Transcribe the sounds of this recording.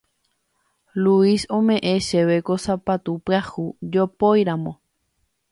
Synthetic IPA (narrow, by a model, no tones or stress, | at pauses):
luisõmẽ̞ʔẽʃeʋekosapat̪upahud͡ʒopojɾãmõ̞